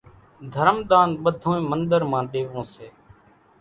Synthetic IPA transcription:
d̪ʱəɾmɗ̪aːnɓəd̪ʱõːẽːmənɗ̪əɾmãːɗ̪eːʋõːseː

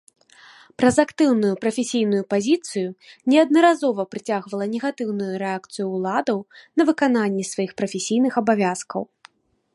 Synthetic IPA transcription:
pɾɐzakt̪ɨwnujupɾɐfʲesʲijnujupazʲit̪sɨjunʲɛɐd̪nɐɾazɔvɐpɾɨt͡sʲaɣvɐlˠɐnʲɛɣat̪ɨwnujuɾɛak̚t̪sɨjuːlˠad̪ɐwnɐvɨkananʲːɛsvajixpɾɐfʲesʲijnɨxɐbavʲaskɐ̰w

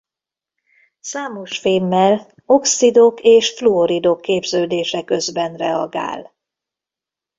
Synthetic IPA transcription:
saːmo̞ʃfeːmːɛl | o̞ksid̪okeːʃfluoɾid̪okːeːbzøːd̪eːʃɛkø̞zbɛnrɛɒɡa̰ːl

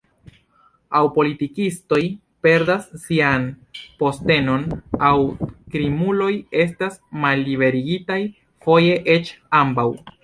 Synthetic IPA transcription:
awpo̞litikisto̞j | pe̞ɾdasːianpo̞ste̞no̞nawkɾimulo̞je̞s̬tasmalːibe̞ɾiɡitaj | fo̞je̞ʔe̞t͡ʃambaw

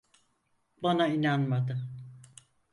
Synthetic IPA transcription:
banainanmad̪ɯ

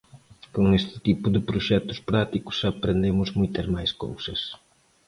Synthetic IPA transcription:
koŋest̪ɪ̥t̪ipʊd̪ɪpɾuʃɛt̪ʊ̥spɾat̪ikʊ̥sɐpɾend̪emʊzmujt̪ɐzmajsko̰wsɐs

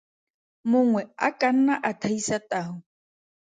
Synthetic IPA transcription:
mʊŋwɛa̰kʼan̩naʔat̪ʰaisat̪ʼaɦʊ

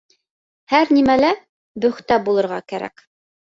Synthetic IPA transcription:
hæɾnimælæ | bɵ̆χt̪æbulˠɤ̆ɾʁɑkæɾæ̰k

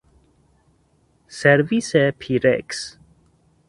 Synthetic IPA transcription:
sɛɾvisɛpʰiɾɛ̰ks

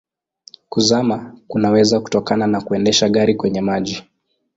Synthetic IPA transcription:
kuzamakunawɛzaku̥tɔkananakuɛndɛʃaɠaɾikwɛɲɛmaʄi

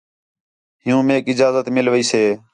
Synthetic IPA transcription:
ɦɪjũːmeːkɪd͡ʒaːzət̪mɪlʋiːseː

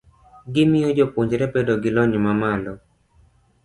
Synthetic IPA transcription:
ɡɪmɪjod͡ʒopoɲd͡ʒɾɛpedoɡɪlɔɲɔmamalɔ

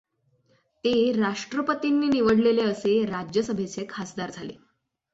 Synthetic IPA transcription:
t̪eɾaʂʈɾəpət̪inːiːniʋəɽleleəseɾad͡ʑjəsəbʱet͡sekʰasd̪aɾd͡zʱalḛ

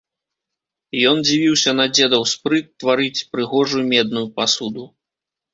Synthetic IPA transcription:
jɔnd͡zʲivʲiwsʲɐnɐd͡zʲɛd̪ɐwspɾɨt̪ːvaɾɨt͡sʲpɾɨɣɔʐujumʲɛd̪nujupasud̪u

